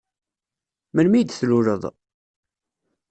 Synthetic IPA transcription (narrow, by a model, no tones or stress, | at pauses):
məlmid̪θluɾə̰ðˤ